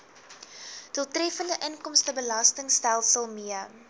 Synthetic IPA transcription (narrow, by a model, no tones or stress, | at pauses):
d̥uəlˠtrɛfəndəʔəŋkɔmstəbəlɐstəŋstælˠsəlˠmiə